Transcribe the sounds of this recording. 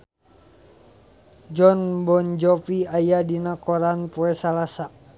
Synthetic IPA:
d͡ʒɔnbɔnd͡ʒɔpiajadinakɔɾanpɔɛsalasa

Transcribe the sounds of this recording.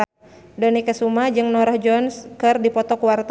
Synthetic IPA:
dənikəsumad͡ʒɨŋnɔɾahd͡ʒɔnskɨrdipɔt̪ɔkuwart̪

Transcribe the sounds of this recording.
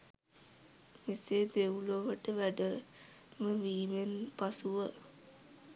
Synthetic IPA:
miseːd̪euloʋəʈəʋæɖə | məʋiːmenpasuʋə

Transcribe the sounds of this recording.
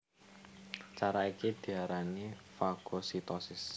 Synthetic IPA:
t͡ʃaɾaikid̪̥i̤aɾanifaɡ̥osit̪ɔsɪs

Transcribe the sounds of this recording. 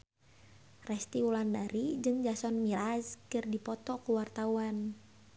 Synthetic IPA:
rɛst̪iulandaɾid͡ʒɨŋd͡ʒasɔnmiɾazkɨrdipɔt̪ɔkuwart̪auan

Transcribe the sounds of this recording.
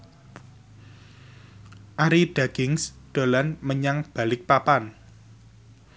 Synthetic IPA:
ʔaɾiɖ̥a̤ɡ̥ɪŋsd̪̥o̤lanməɲaŋb̥a̤lɪk̚papan

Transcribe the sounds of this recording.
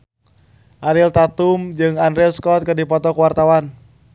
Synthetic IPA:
ʔaɾilt̪at̪umd͡ʒɨŋandɾɛskɔt̪̚kɨrdipɔt̪ɔkuwart̪awan

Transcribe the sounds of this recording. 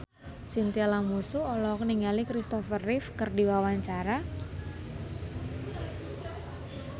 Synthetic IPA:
sint̪ialaŋmusuɔlɔkniŋɡalikɾist̪ɔfərɪfkərdiwawaɲt͡ʃaɾa

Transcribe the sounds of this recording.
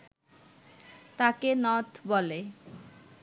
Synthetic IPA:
t̪akenʌt̪ʰbole

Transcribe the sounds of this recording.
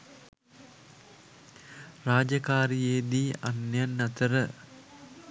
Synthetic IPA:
raːd͡ʒakaːɾijeːd̪iːʔanjanːat̪əɾə

